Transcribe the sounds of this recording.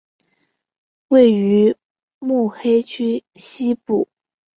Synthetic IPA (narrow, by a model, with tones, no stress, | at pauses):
we˥˩ɪy˧˥ | mu˥˩xe˥ɪt͡ɕʰy˥ɕi˥pu˥˩